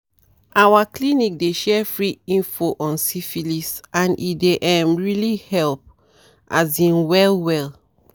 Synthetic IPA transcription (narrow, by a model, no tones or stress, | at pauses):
ʔawaklinik̚deʃɛfɹiĩnfoʔɔ̃nsifilisʔãnḭdeʔãmɹilihɛlp̚ | ʔazĩnwɛlwɛl